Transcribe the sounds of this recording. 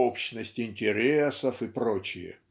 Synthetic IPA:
opɕnəsʲtʲɪnʲtʲɪɾʲesəfɨpɾo̞t͡ɕɪjə̰

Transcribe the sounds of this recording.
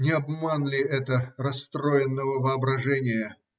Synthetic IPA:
nʲɪɐbmanlʲɪɛt̪ərɐst̪ɾoɪnːəvəvəɐbɾɐʐɛnʲɪjə

